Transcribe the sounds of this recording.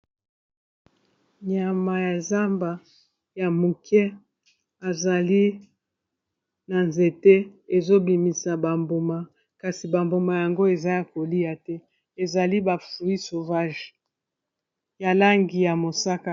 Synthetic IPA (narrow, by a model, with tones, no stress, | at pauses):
ɲa˨ma˨ja˨za˦mba˨ | ja˨mu˨kɛ˦ | a˨za˨li˦ | na˨nze˨tɛ˦e˨zo˦bi˨mi˨sa˨ba˨mbo˨ma˨ | ka˨si˨ba˨mbo˨ma˨ja˨ŋɡo˦e˨za˦ja˨ko˨li˦a˨tɛ˦ | e˨za˨li˦ba˨fu˨i˦so˨va˦ʒ | ja˨la˦ŋɡi˨ja˨mo˨sa˦ka˦